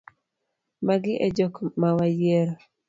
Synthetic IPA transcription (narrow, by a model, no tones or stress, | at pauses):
maɡɪʔɛd͡ʒokmawajeɾo